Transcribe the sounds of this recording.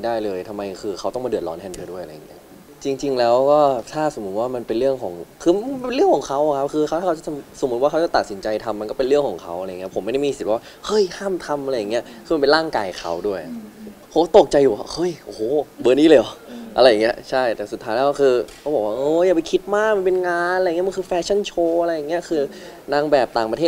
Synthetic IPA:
a˥˩daː˥˩jlɤː˧jt̪ʰa˧mːa˧jkʰɯː˧xʰa˦˥wt̪ɔ˥˩mː˧dɯ˨˩ət̚lɔ̰ː˦˥nʰɛː˧˩ndɯː˧˥˦du˥˩ʔa˧ɾa˧ja˨˩ŋːi˦˥ɐ | t͡ɕi˧ŋt͡ɕi˧ŋlɛː˦˥wkɔː˥˩t̪ʰaː˥˩so˩˦mːu˦t̪̚waː˥˩ma˧npe˧nɾɯ˥˩əŋkʰɔː˩˦ŋkʰɯː˧e˧nlɯ˥˩əŋkʰɔː˩˦ŋkʰa˦˥wʔa˨˩kʰa˦˥p̚kʰɯː˧kʰa˦˥wt̪ʰa˥˩a˦˥t͡ɕa˨˩t̪ʰmso˨˦mː˦˥t̪̚wa˥˩a˦˥wt͡ɕa˨˩t̪a˨˩si˩˦nt͡ɕa˧jt̪ʰa˧mːa˧nkɔː˥˩pe˧nɾɯ˥˩əŋkʰɔː˩˦ŋkʰa˦˥wʔa˧ɾjŋːi˦˥pʰo˩˦mː˥˩da˥˩mi˧si˨˩waː˥˩hɤ˦˥˩jhʰaː˥˩mt̪ʰa˧mʔa˧ɾa˧jːa˨˩ŋːi˦˥ɐkʰɯː˧a˧npe˧nlaː˥˩ŋkaː˧jkʰa̰˦˥wdu˥˩əjpʰo˩˦mkɔ˥˩t̪o˨˩k̚t͡ɕa˧jːuː˨˩a̰˧˥hʰɤ˦˥˩jʔo˨˩˨bɤː˧niː˦˥˩leː˧˩˨ʔa˧ɾa˧jːa˨˩ŋːi˦ɐt͡ɕʰa˥˩jt̪ɛː˨˩st̪ʰːaː˦˥jlɛː˦˥˩kʰɯː˧kʰa˦˥wbɔː˨˩kwaː˥˩ʔɤː˧˥˩ja˨˩pa˧jkʰi˦˥t̪̚maː˥˩k̚ma˧npe˧nŋaː˧na˨˧jŋː˦˥˨m˧nkɯː˧fɛː˧˥t͡ɕʰa˥˩nt͡ɕʰoː˧ʔa˧ɾa˧jːa˨˩ŋːi˦˥ɐkʰɯː˧ | naː˧ŋbɛː˨˩p̚t̪aː˨˩ŋpa˧t̪ʰeː˥˩

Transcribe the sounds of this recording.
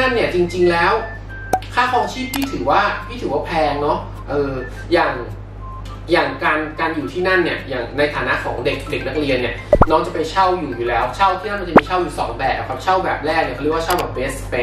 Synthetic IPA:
a˥˩nːi˥˩ɐt͡ɕi˧ŋt͡ɕi˧ŋlɛː˦˥w | kʰaː˥˩kʰɔː˧ŋt͡ɕʰiː˥˩p̪̚ʰiː˥˩t̪ʰɯː˩˦waː˥˩t̪ʰiː˥˩ɯː˩˦aː˥˩pʰlɛː˧ŋnɔ˦˥ | ʔɤː˧ | jaː˨˩ŋ | jaː˨˩ŋkaː˧nkaː˧njuː˨˩t̪ʰiː˥˩na˥˩nːi˦˥˩ɐjaː˨˩ŋna˧jt̪ʰaː˨˩˦na˦˥kʰɔ̰ː˩˦ŋde˨˩k̚de˨˩k̚na˦˥k̚ɾli˧ənːi˥˩ɐnɔː˦˥ŋt͡ɕa˨˩pe˧nt͡ɕʰa˥˩wjuː˨˩juː˨˩lɛː˦˥wt͡ɕʰa˥˩wt̪ʰiː˥˩na˥nma˧˥nt͡ɕa˨˩miː˧t͡ɕʰa˥˩wjuː˨˩sɔ̰ː˩˦ŋbɛː˨˩k̚ːkʰa˦˧˩t͡ɕʰa˥˩wbɛː˨˩p̚lɛː˥˩k̚ni˧˩k̚ːwa˥˩a˥˩wbɛː˨˩p̚ːeː˦˥spe˦˥

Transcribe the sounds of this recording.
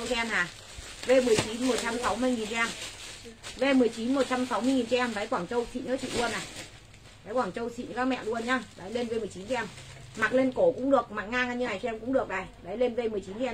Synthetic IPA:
ə˧wkɛ˧maː˨˩ | ve˧mɨ˨˩əjt͡ɕi˨˦nmo˨˩t̚t͡ɕa˧msa˨˦wmɨ˧əjŋi˨˩nt͡ɕm | ve˧mɨ˨˩əjt͡ɕi˨˦nmo˨˩t̚t͡ɕa˧msa˨˦wmɨ˧əjŋi˨˩nt͡ɕɛ˧ɛ˧mɗaː˨˦jkwaː˧˩ŋt͡ɕə˧wsḭ˧˨ɲə̰˨˦t͡ɕḭ˧˨lu˧ənːaː˨˩ | faː˨˦jkwaː˧˩ŋt͡ɕə˧wsḭ˧˨ɲə˧˦kaː˦˥k̚mɛ̰˧˨lu˧ənɲaː˧ɗa˨˦jle˧nve˧m˨˩ət͡ɕi˨˦nt͡ɕɛ˧m | ma˨˩k̚le˧nko˧˩kʊ̰˧˥ŋ͡mɗɨ˨˩ək̚ma˨˩k̚ŋaː˧ŋa˧ɲɨ˧a˨˩jt͡ɕːmkʊ̰˧˥ŋ͡mɗɨ˨˩ək̚ɗa˨˩jɗa˨˦jle˧nve˧mɨ˨˩əjt͡ɕi˨˦n˧

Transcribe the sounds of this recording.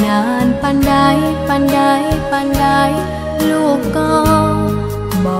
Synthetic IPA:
naː˨˧˦npa˧nda˧˩jpa˧nda˧jpa˧nda˧˥j | luː˧˩p̚kːɔː˧ | bɔ˧˩

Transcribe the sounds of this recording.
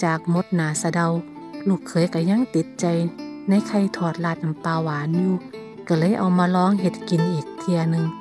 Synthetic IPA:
t͡ɕaː˨˩k̚mo˧˦t̪̚naː˨˦sa˧da˧w | lu˧˩kʰːɤː˨˦jka˧˩ɲa˧˥˨ŋt̪i˧˦t̪̚t͡ɕa˧jna˧˥˨jkʰa˧˩jt̪ʰɔː˧˩t̪̚laː˧t̪̚na˨mpaː˧waː˨˦nuː˧˦ | ka˧˩lɤː˧˥˨jʔa˨˩wmaː˧lɔː˧˥˨ŋɦe˧˦t̪̚ki˨˩nʔiː˨˩k̚t̪ʰi˧ɐnɯ˧ŋ

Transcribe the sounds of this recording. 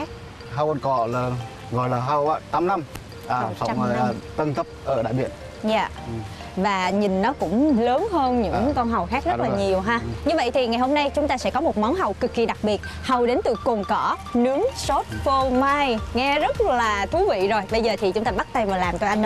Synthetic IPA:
k̚ | ɦa˧wka˧nkɔ̰˧˩ləː˨˩ | ɣɔ̰˧˨jlaː˨˩ɦa˧wʔaː˧˦t̪aː˨˦mna˧m | ʔaː˨˩t̪ə̰˧˦wə˨˩jt̪ə˧nt̪ʰə˦˥p̚ʔəː˧˩ɗa̰ː˧˨jɓḭ˧˨ən | ɲa̰ː˧˨ʔ | vaː˨˩ɲï˨˩nnɔ˨˦kʊ̰˧˥ŋ͡mləː˨˦nɦəː˧nɲɨ̰˧˥ŋkɔ˧nɦa˨˩wxaː˦˥k̚zə˦˥laː˧˨˩ɲi˨˩əwɦaː˧ɲɨ˧və̰˧˨jt̪ʰi˨˩ŋa˨˩jɦo˧mna˧jt͡ɕʊ˨˦ŋ͡mt̪aː˧sɛ̰˧˥kɔ˨˦mo˨˩t̚ma˨˦wnɦa˨˩wkɨ˨˩kːi˨˩ɗa˨˩k̚ɓi˨˩ət̚ | hə˨˩wɗe˨˦nt̪ɨ̰˧˩ko˨˩nkɔ˧˩nɨ˨˦əŋso˦˥t̚fo˧ma˧jŋɛ˧zə˦˥t̚laː˨˩t̪ʰu˨˦vḭ˧˨zo˨˩jɓə˧jzəː˨˩t̪ʰi˨˩t͡ɕʊ˨˦ŋ͡mt̪aː˧ɓa˦˥t̚t̪a˧jvaː˨˩laː˨˩mt͡ɕ̪ɔ˧jʔa˧n

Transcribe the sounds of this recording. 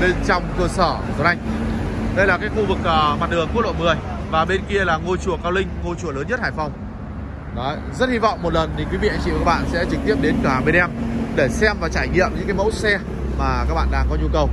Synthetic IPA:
ɓe˧nt͡ɕɔ˧wŋ͡mkəː˧səː˧˩˨zo˨˦ʔa˧jŋ̟ɗə˧jlaː˨˩kaː˨˦jxu˧vɨ˨˩k̚ʔːma˨˩t̚lɨ˨˩əŋku˦˥lo̰˧˨jmɨ˨˩əj | vaː˨˩ɓe˧nki˧əlaː˨˩ŋo˧t͡ɕu˧˩əkaː˧wlï˧ŋ̟ŋo˧t͡ɕu˧˩ələː˨˦nɲə˦˥t̚haː˨˩jfɔ˧˩wŋ͡m | nɔ˨˦ | zə˦˥t̚hi˧vɔ̰˧˨wŋ͡mmːo˨˩t̚lə˨˩nt̪i˨˩kwi˨˦vḭ˧˨a˧˦ŋt͡ɕḭ˧˨˦ɓa̰ː˧˨nsɛ̰˧˥t͡ɕɨ˨˩k̚t̪i˦˥əp̚ɗe˨˦nkaː˧˩ɓe˧nʔɛ˧mɗe˧˩sɛ˧mvaː˨˩t͡ɕaː˧˩jɲḭ˧˨əmɲɨ̰˧˥ŋkaː˨˦jmə̰˧˥wsɛ˧ | maː˨˩kaː˦˥k̚ɓa̰ː˧˨ɗaː˧ŋkɔ˨˦ɲu˧kə˨˩w

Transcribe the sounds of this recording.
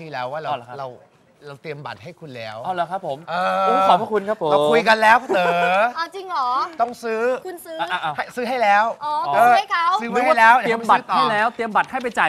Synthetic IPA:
t̪ʰiː˧˩lɛː˦˥waː˦˥˩ɾaː˧˩la˧˦˩kʰɾa˧w | ɾa˧wt̪i˧əmba̰˨˩t̪̚ha˥˩jkʰu˧nlɛː˦˥wʔʔaː˧˩laː˨˦kʰa˦˥pʰːo˩˦mʔɤː˧˦˥ɔ˨˦˩pʰa˥˩kʰu˧nkʰa˦˥p̚ʰːo˨a˧kʰu˧jka˧nlɛː˦˥wkʰːt̪ɤː˥˩a˧˩t͡ɕi˧ŋʔɔː˨˩˦t̪ɔ˥˩ŋsɯː˦˥kʰu˧nsɯː˦˥a˧ʔa˧˩ʔa˧˩ha˥˩jsɯː˦˥ɦa˥˩jlɛː˦˥wʔɔː˨˧əː˧a˥˩kʰa˧˥wsɯː˦˥m˧˦˥a˥˩lɛː˦˥w̪i˧əmba˨˩˦t̪̚ːa˩˥˧lɛː˦˥wt̪i˧əmba˨˩t̪̚ha˥˩jpa˧jt͡ɕa˨˩

